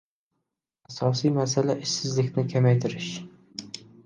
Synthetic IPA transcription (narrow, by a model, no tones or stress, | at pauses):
asɒsijmasalaʔɪʃsɪzlɪkʲnɪkʲʰamajt̪ʰɪɾɪʃ